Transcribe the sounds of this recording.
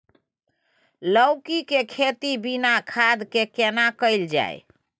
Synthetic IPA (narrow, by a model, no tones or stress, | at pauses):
ləʊkikekʰet̪ibinakʰad̪kekenakəɪld͡ʒa̰j̰